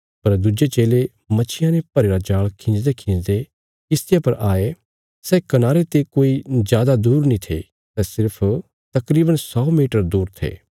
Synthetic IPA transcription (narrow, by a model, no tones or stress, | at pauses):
pɐɾd̪ʊd͡ʒet͡ʃeːle | mɐt͡ʃʰɪjãnẽpɐɾeːɾad͡ʒaːɭkʰɪ̃ːnd͡ʒd̪ekʰɪ̃nd͡ʒd̪e | kɪst̪ɪjapɐɾʔaːe | sɛːkɐnaːɾet̪ekoːizjaːd̪ad̪uːɾnĩt̪ʰḛ | t̪ɛːsɪɾpʰ | t̪ɐkɾiːbənsɔːmiːʈəɾd̪uːɾt̪ʰḛː